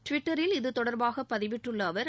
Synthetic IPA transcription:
ʈʋɪʈːɐɾɪlɪðɯt̪ɔɽɐɾbaːɣɐpːɐðɪʋɪʈrɯɭːɐːʋɐɾ

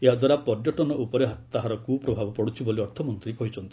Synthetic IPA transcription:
eɦad̪waɾapɔɾd͡ʒɔʈɔnɔʔupɔɾeɦat̪aɦaɾɔkupɾɔbʱabɔpɔɽut͡ʃʰiboliɔɾt̪ʰɔmɔnt̪ɾikɔɦit͡ʃʰɔnt̪i̥

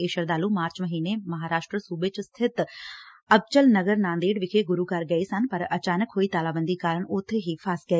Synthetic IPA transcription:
eːʃəɾd̪aːluːmaːɾt͡ʃməɦiːneːməɦaːɾaːʃʈɾəsuːbeːt͡ʃst̪ʰɪt̪ | əb̚t͡ʃəlnəɡəɾnãːnd̪eːɖʋɪkʰeːɡʊɾuːkəɾɡəiːsənpəɾət͡ʃaːnəkɦoːiːt̪aːlaːbənd̪iːkaːɾəɳʊt̪ʰːeɦiːpʰaːskɛ

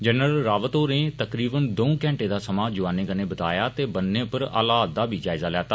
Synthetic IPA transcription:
d͡ʒənɾəlɾaːʋət̪oːɾneːt̪əkɾiːbənd̪oũːkɛ̃ːɳʈeːd̪aːsəmaːd͡ʒʊʋaːneːkəneːbət̪a̰ːjaːt̪eːbənːẽːpəɾa̰ːlaːt̪̚d̪aːbʱiːd͡ʒaːɪzaːlɛːt̪aː

